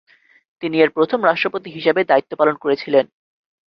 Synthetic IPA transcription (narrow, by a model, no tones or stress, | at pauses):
t̪inieɾpɾot̪ʰomɾaʃʈɾopot̪iɦiʃebed̪ait̪ːopalonkoɾet͡ɕʰilen